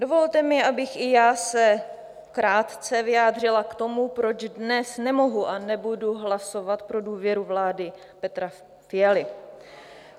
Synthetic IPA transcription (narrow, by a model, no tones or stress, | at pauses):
do̞vo̞lt̪ɛmɪʔabɪxʔɪjaːsɛ | kɾaːt̪t͡sɛvɪjaːd̪r̝ɪlakt̪o̞mupɾo̞d͡ʒdnɛsnɛmo̞ɦuʔanɛbuduɦlaso̞vat̪pɾo̞duːvjɛɾuvlaːdɪ | pɛt̪ɾa | fɪjalɪ